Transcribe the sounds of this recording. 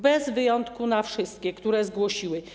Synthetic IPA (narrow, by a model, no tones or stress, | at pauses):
bɛzvɘjɔnt̪kunafʂɘst̪kʲɛkt̪uɾɛzɡwɔɕiwɘ